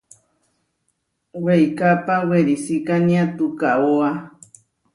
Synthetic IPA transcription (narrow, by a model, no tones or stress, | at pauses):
wejkapaweɾisikaniat̪ukaoa